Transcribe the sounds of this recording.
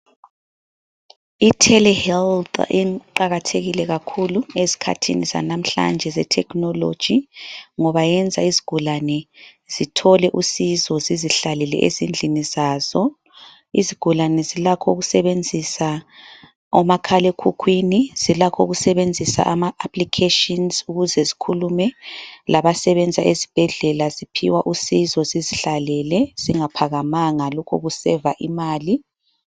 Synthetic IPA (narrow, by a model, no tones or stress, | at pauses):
itʰɛlɛhɛlt̪ʰiǃaɣatʰeɣilɛɣakʰuluezi̥kʰa̰tʰḭniza̰nam̩ɬa̰nd͡ʒʱɛzɛtʰɛknɔlo̰d̥ʒ̥ʱiŋɔβajɛnd͡zʱaiziɡ̥ʱulanɛz̥itʰɔlɛʔusizɔziziɬalɛlɛ̰ʔḛzind͡ɮʱinizaːz̥ɔ | ḭziɡ̥ʱulanɛzilakʰɔuɣusɛβend͡zʱisa | ɔmakʰalekʰukʰwiniz̥ilakʰoɣusɛβend͡zʱisa̰ʔamaapʰlikʰeʃinzuɣuzɛzikʰulumɛlaβasɛβɛnd͡zʱaʔezib̥ʱɛɮɛlazipʰḭwaʔusizɔziziɬalɛlɛz̥iŋapʰaɣamaŋalɔkʰɔɣusɛvaʔimaːli